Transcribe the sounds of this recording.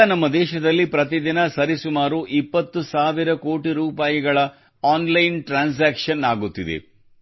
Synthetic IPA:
nɐmːɐd̪ɛːʃɐd̪ɐlːipɾɐt̪̬id̪inɐsɐɾisumaːɾuʔipːɐt̪ːusaːʋiɾɐkoːʈiɾuːpaːjiɡɐɭɐ | aːnlɐjnʈɾaːns̬aːkʂɐnaːɡut̪ːid̪ḛ

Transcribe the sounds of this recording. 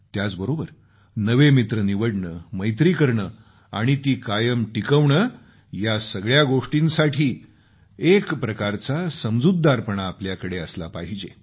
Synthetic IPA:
t̪jat͡sbəɾobəɾ | nəʋemit̪ɾəniʋəɽɳəməjt̪ɾiːkəɾɳə | a̰ɽ̃it̪iːkajəmʈikəʋɳə | jasəɡɭjaɡoʂʈinsaʈʰiː | ekpɾəkaɾt͡sasəmd͡zud̪ːaɾpəɳaːpljakəɽeəslapaɦid͡ʑe

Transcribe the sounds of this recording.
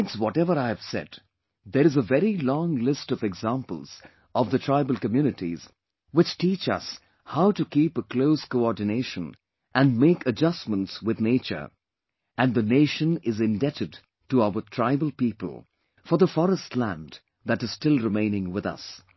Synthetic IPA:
ɪtswɔɾɛvə˞aɪɨv̥sɛ̰d | ðəɾɨzəvɛɾilɔ̃ŋlɪstʌvɛɡzæ̃mpə̰l̩ˠz̥ | ʔʌvðɨtʰɹ̥aɪbəl̩ˠkɨmjʉnɨtḭz̥ | wɨt͡ʃtit͡ʃʌ̰s | haʊtɨkʰipəkʰl̥oʊskoɔɹdⁿneɪʃə̃n | ʔæ̃nmeɪkʰɨd͡ʒʌsmə̃ntswɨðneɪt͡ʃə̰˞ | ɨ̃nðɨneɪʃə̃nɪzɨ̃ndɛɾɨd | təaʊə˞tʰɹ̥aɪbəl̩ˠpipə̰lˠ | fə˞ðəfɔɹəstlæ̰̃n | ðæɾɨz̥stɪlˠɹɨmẽɪ̃nɪ̃ŋwɪðʌ̰s

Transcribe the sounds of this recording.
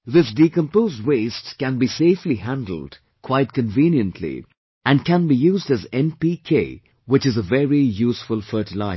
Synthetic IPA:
ðɪs̬dikə̃mpoʊzd̚weɪstkæ̃nbiseɪfliɦæ̃ndl̩ˠd̥ | kʰw̥aɪt̚kə̃nvĩnjə̃ntʰlḭ | ʔæ̃nkæ̃nbijuːzdæzɛ̃npikʰeɪ | wɪt͡ʃɨzəvɛɹijuːsfʊlˠfɜːʈɨla̰ɪ

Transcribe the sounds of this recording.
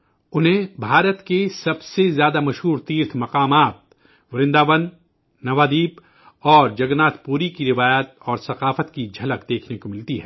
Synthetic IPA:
ʊnɦẽbʱaːɾət̪kesɐbsezjaːd̪amɐʃɦuːɾt̪iːɾt̪ʰmɐqaːmaːt̪̚ | ʋɐɾɪ̃nd̪aːʋənː | ɐʋaːd̪iːp | ɔːɾd͡ʒɐɡnaːt̪ʰpuːɾikiɾɪʋaːjaːt̪̚ɔːɾsɐqaːfət̪kid͡ʒʱɐləkd̪eːkʰnekomɪlt̪iɦɛː

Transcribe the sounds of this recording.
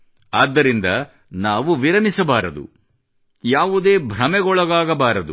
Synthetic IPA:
aːd̪ːɐɾind̪ɐ | naːʋuʋiɾɐmisɐbaːɾɐd̪ṵ | jaːʋud̪e̞ːbʱɾɐmɛɡɔɭɐɡaːɡɐbaːɾɐd̪u

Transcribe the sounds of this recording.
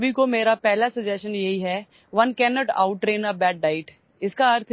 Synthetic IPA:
bʱikomeːɾapɛɦlasɐd͡ʒɛʃənjɐɦiɦɛ | ʋɐnkɛːnɔːʈa̰ʊʈːɾeːnəbɛːɖ̚ɖaːɪʈ | ɪskaɐɾt̪ʰ

